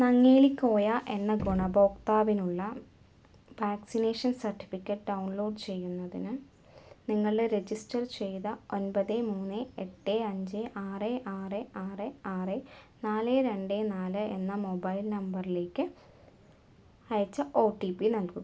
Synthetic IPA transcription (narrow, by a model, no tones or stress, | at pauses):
nɐŋːeːlikʲːo̞ːjaːʔe̞nːɐɡoɳɐbo̞ːkt̪aːʋinuɭːɐ | ʋaːksineːʂɐnsɐrʈːi̥fikʲːɐʈːɖɐwuɳlo̞ːɖt͡ɕe̞jːunːɐðḭnɨ | niŋːɐɭɖeɾe̞d͡ʑisʈɐrt͡ɕe̞jt̪ɐo̞nbɐðemuːnːeeʈːeːɐɲd͡ʑeʔaːreʔaːreʔaːreaːre | naːleɾe̞ɳɖeːnaːlɨenːɐmo̞bɐjilnɐmbɐrile̞ːkːɨ | ɐjɐt͡ɕːɐʔo̞ːʈːipinɐlku